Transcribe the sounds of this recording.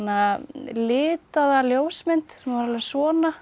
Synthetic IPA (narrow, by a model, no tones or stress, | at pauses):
nːalɪːt̪aðaljoːwsmɪnt̪sɛmvaɾlasɔːna